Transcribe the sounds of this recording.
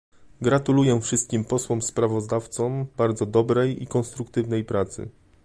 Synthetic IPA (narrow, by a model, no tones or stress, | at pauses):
ɡɾat̪ulujɛfʂɘst̪̚kʲimpɔswɔmspɾavɔzd̪aft̪sɔmbaɾd̪zɔd̪ɔbɾɛjḭkɔnst̪ɾukt̪ɘvnɛjpɾat̪sɘ̰